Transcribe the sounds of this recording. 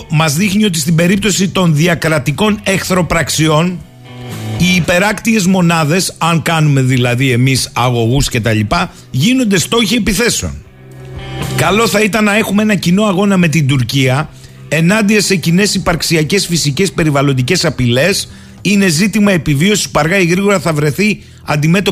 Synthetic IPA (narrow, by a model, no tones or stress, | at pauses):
mɐzðixnio̞t̪i̥st̪ibe̞ɾip̚t̪o̞sit̪o̞nðiɐkɾɐt̪iko̞ne̞xθɾo̞pɾɐksio̞n | iːpe̞ɾɐkt̪ie̞zmo̞nɐðe̞sɐŋkɐnume̞ðilɐðie̞misɐɣo̞ɣusce̞t̪ɐʎipɐ | ʝino̞nd̪e̞st̪o̞çie̞piθe̞seo̰n | kɐlo̞θɐit̪ɐnːɐe̞xumee̞nɐcino̞ɐɣo̞nɐme̞t̪̬ind̪uɾciɐ | e̞nɐnd̪iɐse̞cine̞sipɐɾksiɐce̞sfisice̞spe̞ɾivɐlo̞nd̪ice̞sɐpile̞s | ine̞zit̪imɐe̞pivio̞si̥spɐɾɣɐiɣɾiɣo̞ɾɐθɐvɾe̞θi | ɐ̰nd̪ime̞t̪o̞